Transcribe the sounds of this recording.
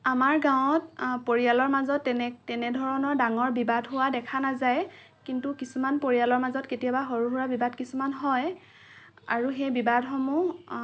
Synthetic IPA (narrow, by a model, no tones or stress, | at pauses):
amaɹɡaw̃tpoɹijalɔɹmazɔtːɛɛtɛnɛdʱɔɹɔnɔɹdaŋɔɹbibadɦʊwadɛkʰanazaj | kintukisumanpoɹijalɔɹmazɔtketijabaxoɹuɦuɹabibadkisumanɦɔj | aɹuxejbibadxɔmu